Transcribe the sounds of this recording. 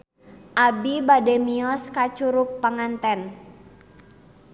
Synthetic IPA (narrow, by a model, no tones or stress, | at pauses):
ʔabibadɛmiɔskat͡ʃuɾuk̚paŋant̪ɛn